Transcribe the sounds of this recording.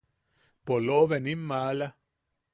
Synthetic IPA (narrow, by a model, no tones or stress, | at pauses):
poloβenimːaːla